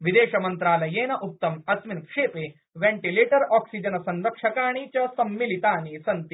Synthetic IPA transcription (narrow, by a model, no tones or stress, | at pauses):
ʋid̪eːɕɐmɐnt̪ɾaːlɐjeːnɐʔup̚t̪ɐmɐt̪ʋinkʂeːpe | ʋẽɳʈileːʈəɾɔksid͡ʑənsɐnɾɐkʂɐkaːɽ̃iːt͡ɕasɐmːilit̪aːñisɐnt̪i